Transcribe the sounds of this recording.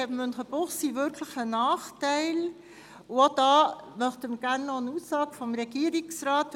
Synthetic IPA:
ɛbəmønχəb̥ʊχsivʏɾkʰləχənɑːχtaɪl | od̥ɑːmœχtəməɡ̥æʁnːɔənuːsːɑːɡfɔmɾɛɡ̥iːəɾiksraːt

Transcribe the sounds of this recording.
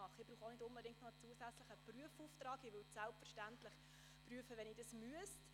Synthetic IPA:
ɑχɪbɾuːχonɪdʊnbədɪŋktnoət͡suəsæt͡slɪχəpryəfuftrɑːɡɪʋʏltsælpfəɾʃtæntlɪχ | pryəfəʋɛniːd̥ɑsmyəst

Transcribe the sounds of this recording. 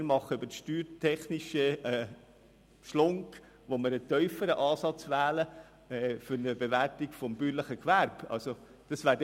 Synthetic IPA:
ɾmɑχːəøbəʃtyːɾtʰɛχniʃəɛ | ʃlʊŋk | ʋoməɾətœʏfəɾəʔɑːsɑt͡sʋæːlə | ɛfʏɾnəbeʋæɾtikfɔmbyːɾləχəkʋæɾb̥ɑ̰lso | d̥ɑsʋæːɾ

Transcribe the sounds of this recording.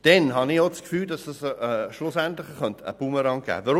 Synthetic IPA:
d̥ɛnɦɑnɪoskfyːldɑsəsʃlʊsæntlɪχəχœntəə̰b̥uməɾɑŋɡ̥æ̰ːvɔɾ

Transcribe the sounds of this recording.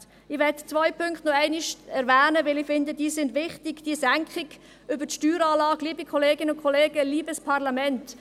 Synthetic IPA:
ɪʋɛtt͡svɔjpʰʏŋkχtnɔɛɪnɪʃɛɾvæːnəʋɪlɪfɪndəd̥iːsɪndʋɪχtɪɡ̥d̥iəsæŋkχɪɡ | ʏbətʃtyːɾaːlɑːɡliːbikʰɔleːɡɪnəʊnkʰɔleːɡəliːbəspʰɑʁlamɛnt

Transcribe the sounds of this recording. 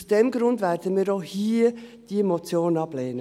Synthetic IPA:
sd̥ɛmɡɾʊndvæːɾd̥əmiːɾohiːəd̥iemot͡sjoːnɑb̥leːnə

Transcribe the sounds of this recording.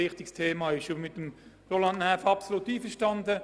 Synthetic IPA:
ɪχtɪkstʰeːmɑːɪʃomɪt̚ːəmʁolɑndnɛːfɑpsolut̪iːfəʃtɑnd̪ə

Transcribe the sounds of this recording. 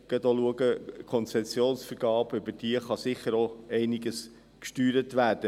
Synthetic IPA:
ɡ̥ədoluəɡəkʰɔnt͡sɛsjoːnsfəɾɡɑːb̥ʏbəd̥iəχɑsɪχəɾoɛɪniɡəs | kʃtyːɾətʋæːɾd̥ə

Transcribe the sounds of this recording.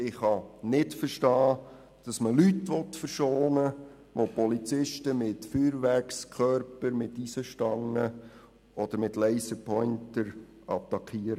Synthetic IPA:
ɪχhɑnɪtfərʃtɑː | d̥ɑsməlytʋɔtfəɾʃoːnə | ʋopɔlit͡sɪʃtəmɪtfyːɾʋækskʰœɾpəɾmɪtisəʃtɑŋːə | ɔd̥̪əɾmɪtlɛɪsəpʰɔʏntəɾ | ɑ̰t̪ːɑkʰiəɾə

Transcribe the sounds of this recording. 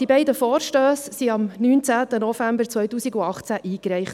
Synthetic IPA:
d̥ibɛɪdəfɔːɾʃtøːssiɑmnyːnt͡sæːt̪ənɔvæmbəɾt͡sʋœjtuːsiɡuɑχt͡sæʔiːkɾɛɪχt

